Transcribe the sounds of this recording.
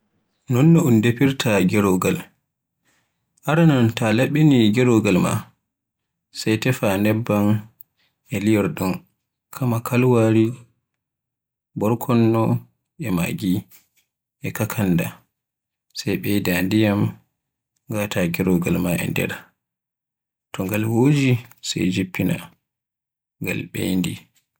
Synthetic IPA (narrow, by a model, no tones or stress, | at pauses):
nɔnːɔundepiɾtʰaɡɛɾɔɡal | ʔaɾanɔntalaɓːiniɡɛɾɔɡalma̰ | sajtɛfanɛbːan | ɛlijɛɾɗum | kʰamakʰalwaɾi | bɔɾkʰɔnːɔ | ɛma̰ɡi | ʔɛkakʰanːda | sajɓɛjdandijam | ɡatʰaɡɛɾɔɡalmaʔɛ̰ndɛ̰ɾ | tɔŋɡalwod͡ʒisa̰jd͡ʒipːina̰ | ŋɡa̰lɓḛjndi